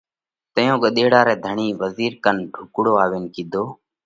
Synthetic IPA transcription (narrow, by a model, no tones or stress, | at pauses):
t̪əjõːkəɗ̪eːɽaːɾɛːd̪ʱəɳiːʋəziːɾkənʈʰʊkɽoːaːʋeːnkĩːd̪ʱoː